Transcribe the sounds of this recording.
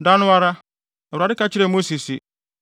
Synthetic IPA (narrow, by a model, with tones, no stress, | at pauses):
da˦nʊ̃˦a˦ɾa˦ | ɛ˨ɾa˨dɪ˦ka˦t͡ɕʰɪ˦ɾɛ˨mo˦si˨si˨